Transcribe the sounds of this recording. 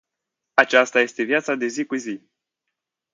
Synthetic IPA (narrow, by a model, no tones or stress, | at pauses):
at͡ʃast̪aje̞st̪e̞vijat̪sad̪e̞zikuzi